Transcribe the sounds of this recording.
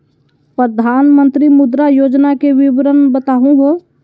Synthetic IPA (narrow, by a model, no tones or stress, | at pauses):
pɾəd̪ʱaːnmə̃nt̪ɾimʊd̪ɾajoːd͡ʒnakeʋɪʋɾənbət̪aːɦũɦo